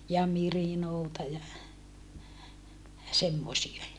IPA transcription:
jɑ mirinoːtɑ jɑ semːosie

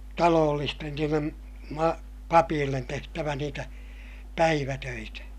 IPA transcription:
tɑloːlːisten niːlːem mɑ pɑpiːlːen tehtæʋæ niːtæ pæiʋætøitæ

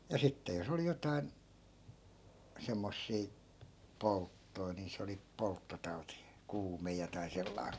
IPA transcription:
jɑ sitːe jos oli jotɑi̯n semːosːiː poltːoi niː se oli poltːotɑu̞ti kuːme jotɑi̯ selːɑi̯

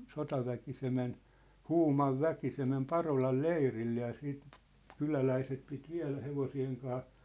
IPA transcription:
sotɑʋæki se men huːmɑʋ ʋæki se mem pɑrolɑl leirilːe jɑ siːt kylælæiset pit ʋiæ̝læ heʋosieŋ kɑː

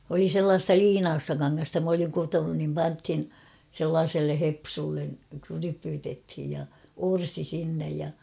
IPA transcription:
oli selːɑːstɑ liːnɑːstɑ kɑŋːɑstɑ m oliŋ kutonun nim pɑnthin selːɑːselːe hepsulːen krypytethij jɑ orsi sinːej jɑ

